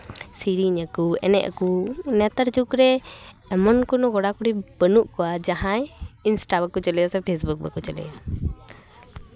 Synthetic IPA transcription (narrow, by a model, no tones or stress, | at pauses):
siɾiɲakuɛ̰nɛ̰ʔə̰kunɛt̪əɾd͡ʒukɾɛː | mɔnkunɔɡɔɽakuɽibənuʔkɔwad͡ʒaɦãɛinsʈabəkut͡ʃəlɛjasɛpʰesbuk̚bə̰kut͡ʃəlɛ̰ja